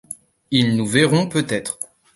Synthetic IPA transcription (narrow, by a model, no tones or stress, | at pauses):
ilnuvɛʁɔ̃pøt̪ɛt̪χ